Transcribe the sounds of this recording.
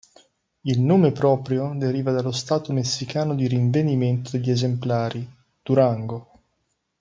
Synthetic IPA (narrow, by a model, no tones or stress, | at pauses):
ilnoːmepɾɔːpɾjod̪eɾiːvad̪alːost̪aːt̪omesːikaːnod̪iɾiɱveniment̪od̪eʎːezemplaːɾi | d̪̥uɾaŋɡo